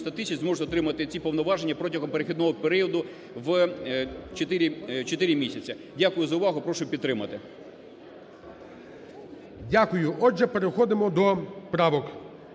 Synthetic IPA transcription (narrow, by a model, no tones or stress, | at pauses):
st̪ɐt̪ɪsʲɐt͡ʃʲzmɔʒeɔt̪ɾɪmɐt̪ɪt͡sʲipɔʋnɔʋɑʒenʲːɐpɾɔtʲɐɦɔmpeɾexʲid̪nɔɦɔpeɾiɔd̪ʊ | ʋ | t͡ʃet̪ɪɾʲit͡ʃɔt̪ɪɾʲɪmʲisʲɐt͡sʲɐ | dʲakʊjʊzɐʊʋɑɦʊpɾɔʃʊpʲid̪t̪ːɾɪmɐt̪ɪ | dʲakʊjʊʔɔʒɛpeɾexɔd̪ɪmɔd̪ɔpɾɑʋɔk